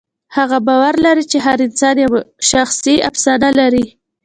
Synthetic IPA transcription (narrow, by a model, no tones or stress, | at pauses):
haɣabɑwaɾlaɾit͡ʃeɦaɾɪnsɑnjawaʃaxsia̰fsɑnalaɾi